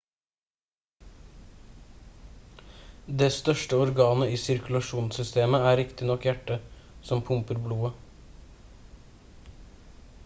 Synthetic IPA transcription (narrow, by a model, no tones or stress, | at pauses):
d̪eːst̪œʃʈəɔɾɡɑːnəiːsɪɾkʉlɑʃuːnsʏst̪eːməæːɾɪkt̪ɪnɔkjæʈːəsɔmpʰʊmpəɾbluːə